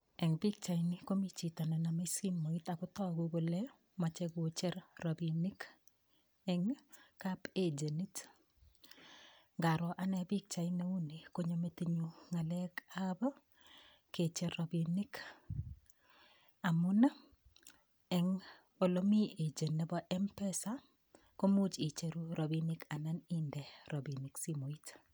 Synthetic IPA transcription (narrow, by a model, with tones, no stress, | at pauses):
ɛ˨ŋbi˦k̚t͡ʃa˨ɪni˦ko˦mi˦t͡ʃi˨ta˨na˨na˨ma˦ski˦mːo˨i˦ta˨kʊ˦tɔ˦ɡo˦ɡo˨lɛ˦ | ma˨t͡ʃɛ˦ɡo˦t͡ʃe˦ɾrɔ˨bi˨ni˦k | ɛŋka˦ped͡ʒe˨ni˦t | ŋɡa˨ɾɔ˨ʔa˦nɛ˨bi˦k̚t͡ʃa˨ɪne˦u˦ni˨ko˦ɲo˨me˨ti˦ɲuŋa˨lɛka˦b | ket͡ʃe˦robini˦k | a˨mʊna˦ | ɛŋ | o˨lomi˦ed͡ʒe˨ne˨bɔʔɛmpɛsa | ko˦mu˦t͡ʃi˨t͡ʃe˨ɾu˦ɾʔobinika˨na˦nindɛ˨ɾo˨biniksi˦mo˨it